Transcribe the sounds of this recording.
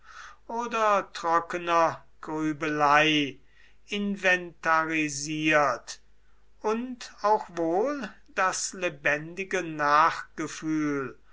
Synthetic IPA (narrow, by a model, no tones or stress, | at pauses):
ʔoːdɐtʁ̥ɔkənɐ | ɡ̥ʁyːbəlaɪ | ɪnvɛntaʁiziːɐt | ʔʊntaʊxvoːl | d̥aslebɛndɪɡənaːχɡ̥əfyːl